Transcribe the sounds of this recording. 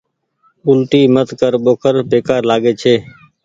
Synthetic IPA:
ʊlʈ̪iːmət̪kəɾɓoːkʰəɾbʱeːkaːɾlaːɠeːt͡ʃʰeː

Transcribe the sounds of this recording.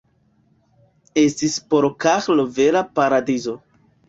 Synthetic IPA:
estispoɾkaxloveɾapaɾadizo̞

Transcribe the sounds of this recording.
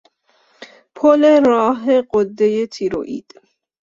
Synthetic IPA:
pʰoleɾɒːɦeɢod̪ːejet̪ʰiɾo̰ʔḭːd̪̥

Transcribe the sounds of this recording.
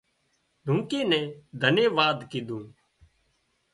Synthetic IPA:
lũːŋkeːnɛ̃ːd̪ʱənjeːʋaːd̪kiːd̪ũː

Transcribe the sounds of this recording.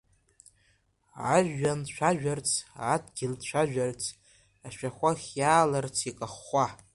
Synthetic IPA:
a̰ʒːanʃʷʰᶣaʒᶣart͡sʰadɡʲɪldʃʷᶣʰaʒᶣart͡sʰ | aʃᶣaχʷaχʲjaːlart͡sʰikʼaχʷa

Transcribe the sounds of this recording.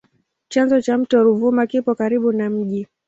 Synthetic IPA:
t͡ʃanzɔt͡ʃam̩tɔɾuvumakipɔkaɾiɓunam̩ʄi

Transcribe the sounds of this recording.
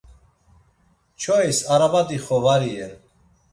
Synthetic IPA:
t͡ʃʰɔisaɾabad̪iχɔvaɾiɛɾ

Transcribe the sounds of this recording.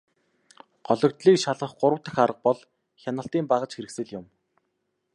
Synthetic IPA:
ɢ̥ɔɮɞ̆kt̪ɮiːkʃaɮʁə̆χɢʊɾə̆wt̪ə̆xaɾə̆q̚pɔɮ | xʲanə̆ɬt̪iːmpaʁə̆t͡ɕxeɾɘ̆ksɘ̆ɮjʊm

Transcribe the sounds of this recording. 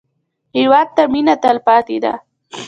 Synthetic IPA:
hɪwɑd̪̚t̪aminat̪alpɑt̪ed̪a̰

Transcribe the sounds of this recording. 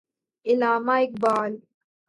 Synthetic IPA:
ʔɪlaːmajk̚baːl

